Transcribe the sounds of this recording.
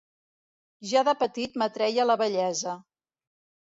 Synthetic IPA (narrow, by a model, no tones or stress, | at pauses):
ʒaðəpət̪it̪mət̪ɾɛjələβəʎɛzə